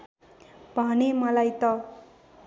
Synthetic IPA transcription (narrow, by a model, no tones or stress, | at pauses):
bʱʌnemʌlajt̪ʌ